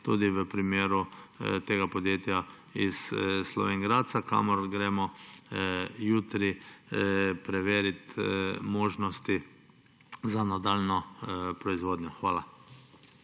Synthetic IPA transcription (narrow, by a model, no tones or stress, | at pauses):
t̪uːd̪iʋəpɾimeːɾut̪eːɡapɔd̪jeːt̪ja | isslɔ̰ʋeːŋɡɾaːt̪t̪saka̰mɔɾɡɾɛːmɔ | juːt̪ɾi | pɾɛʋeːɾit̪moːʒnɔst̪i | zanad̪alnɔpɾɔizʋoːd̪ɲɔxʋaːla